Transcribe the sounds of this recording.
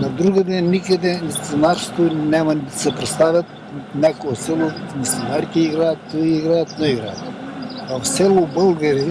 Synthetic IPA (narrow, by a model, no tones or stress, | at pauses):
nɐd̪ɾuɡəd̪ɛnːikəd̪ɛnit̪onaɾst̪onɛmɐnd̪ɐsɛpɾɛt̪st̪avʲɐt̪̚ | nɛkoɛsɛlˠomisinaɾkʲiiɡɾajɐt̪iɡɾajɐt̪noiɡɾajɐt̪ɐfsɛlˠobəlˠɡɐɾi